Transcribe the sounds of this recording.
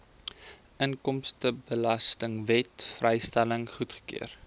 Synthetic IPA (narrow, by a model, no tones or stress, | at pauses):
ʔəŋkɔmstəbəlɐstəŋvɛtfrɛjstæləŋχutχə̥ky̰ər